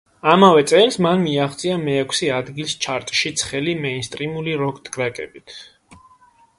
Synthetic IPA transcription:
amavɛt̪sʼɛlˠsmanmiaχt̪sʼiamɛːkʷʰsiad̪ɡilˠst͡ʃʰaɾt̪ʼʃit̪sʰχɛlimɛnst̪ʼɾimuliɾɔkʼd̪ɡɾɛkʼɛ̰bit̪ʰ

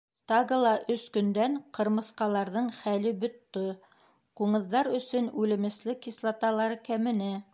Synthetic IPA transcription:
t̪ɑʁɤlˠɑʔɵskɵ̆nd̪æɴqɤ̆ɾmɤ̆θqɑlˠɑɾðɤɴχælɘbɵ̆t̪ːɵ | quɴɤ̆ðːɑɾɵ̆sɵnʉlɘ̆mɘ̆slɘkislˠɑt̪ɑlˠɑɾɤkæmɘ̆næ

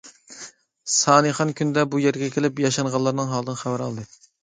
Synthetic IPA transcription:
sɑːnɨχɑnkʲʰynd̪ɛbujeɾɡʲɛkʲʰelɪpjɑʃɑŋʁɑlˠːɑɾnɨŋɦɑlˠd̪ɨnχæwæɾɑ̰lˠd̪ɨ

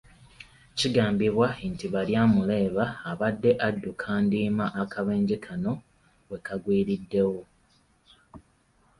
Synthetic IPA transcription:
ciɡaːmbiβwantiβaljaːmule̞ːβaːβadːe̞ʔadːukʰaːndiːmaʔakaβeːɲɟikʰano̞ | we̞kaɡwiːɾidːe̞wo

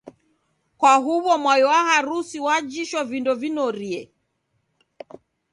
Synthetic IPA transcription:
kwaɦuβɔmwajɔwahaɾusiwad͡ʒiʃɔvindɔvinɔɾiɛ

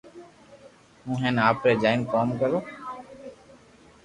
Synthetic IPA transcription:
ɦũːɦɛ̃ːnaːpɾeːd͡ʒaːɪnkoːmkəɾoː

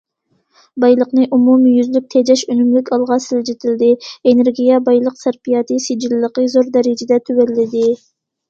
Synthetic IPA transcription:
bɑjlˠəqnɨʔumumjyzlyk̚ʲt̪ʰed͡ʒɛʃønymlykʲɑlˠʁɑsɪld͡ʒit̪ʰɪld̪ɪeneɾɡʲijɛbɑjlˠəqsæɾpijɑt̪ʰɨsid͡ʒilləqəzoɾd̪ɛɾɪd͡ʒɪd̪ɛt̪ʰywælːɪd̪ɪ

